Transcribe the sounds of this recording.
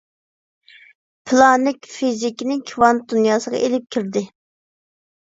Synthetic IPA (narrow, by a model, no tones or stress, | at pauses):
pʰɨlˠɑnɪkʲfizikʲinɪŋkʲʰwɑn̚d̪unjɑːsəʁɑ̰ʔelɪp̚kʲʰiɾd̪ɪ